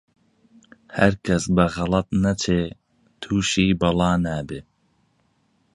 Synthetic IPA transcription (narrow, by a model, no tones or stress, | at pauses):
hæɾkʰɐsbɐɣɑlˠɑt̪̚nɐt͡ʃʰeː | t̪ʰuːʃiːbɑlɑːnæːbe